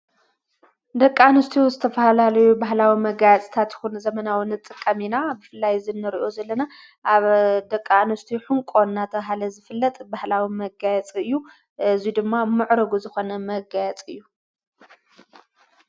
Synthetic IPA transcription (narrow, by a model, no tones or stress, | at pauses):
d̪ɐkʼːanɨst̪ʰiwzɨt̪ʰɐfɐalalɐjubaɦlawimɐɡajɛt͡sʼt̪ʰat̪jɪ̥xunzɐmɐnawinɨt̪ʼːɨkʼːɐminabɨfɨlːajzɨnːɨɾiʔo̞zɐlːɐna | ʔaβd̪ɐkʼːanɨst̪ʰiħuŋkʼo̞nːat̪ʰɐβɦalɐzɨfɨlːɐt̪ʼbahlawimɐɡajɛt͡sʼiɨjːu | ʔɨzid̪ɨmːamɨʕɾɐɡuzɨxo̞nɐmɐɡajɛt͡sʼɨjːu